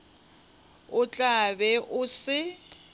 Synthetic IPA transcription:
ʊt͡ɬʼabɛʔʊsɪ

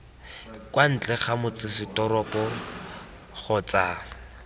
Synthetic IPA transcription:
kwan̩t͡ɬɛχamʊt͡sɪsɪtɔrɔpɔ | χɔt͡sa

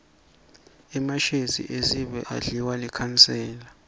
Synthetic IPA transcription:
imaʃezḭʔeziɓɛ̰ʔa̰ɮiwalikʰansɛːla

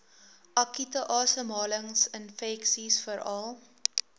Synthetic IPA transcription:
ʔɐkitəʔɑːsəmɑːləŋsənfɛksisfəɾɐlˠ

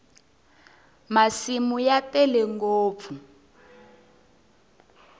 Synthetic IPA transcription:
masimujapɛlɛŋɡoːp̪fu

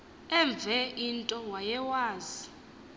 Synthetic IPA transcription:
ɛɱb̪vʱɛʔintʼɔwajɛwaːzi

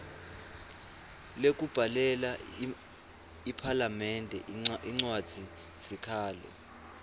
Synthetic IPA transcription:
lek̬ʼub̥ʱalɛla | ipʰalamɛndʱɛiŋ͡ǀwad̥z̥ʱi | sikʰaːlɛ̰

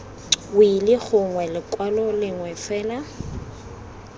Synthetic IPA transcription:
wilɪɣʰʊŋwɛlɪkʼwalɔlɪŋwɛfɛːla

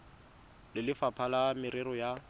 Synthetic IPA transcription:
lɪlɪfapʰalamɪɾɪɾɔja

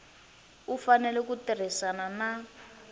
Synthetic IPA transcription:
ufanɛlɛkutir̤isanana

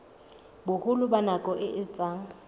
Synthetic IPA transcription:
bʊhʊlʊbanakʼɔʔɪʔɪt͡sʼaŋ̩

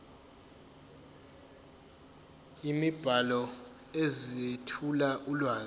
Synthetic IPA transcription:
imib̥ʱalɔ | ezietʰulaʔulwaːz

